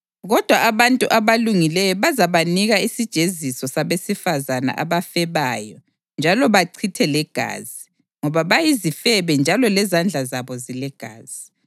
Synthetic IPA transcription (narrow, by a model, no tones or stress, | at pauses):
ɣɔd̥ʱwaʔaβantʼuʔaβaluŋilɛjɔβazaβaniɣaisid̥ʒ̥ʱezisɔsaβesifazana̰ʔaβafɛβaːjɔ | nd͡ʒʱalɔβaǀʰitʰɛlɛɡ̥ʱa̰ːzi | ŋɔβaβajizifɛβɛnd͡ʒʱalɔlɛzand͡ɮʱazaβɔzilɛɡ̥ʱa̰ːz̥i